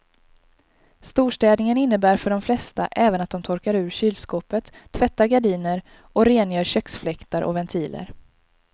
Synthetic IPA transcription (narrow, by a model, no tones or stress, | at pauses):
st̪uːʂʈɛːd̪nɪŋənɪnːəbæːɾfœɖɔmflɛst̪a̰ʔɛːvənat̪̚d̪ɔmt̪ʰɔɾkaɾʉ̟ːɾɕyːlskoːpət̪ʰːvɛt̪ːaɾɡaɖiːnəɾ | ɔɾeːnjœːɾɕœksflɛkt̪aɾʔɔ̰vɛnt̪ʰiːlʔə̰ɾ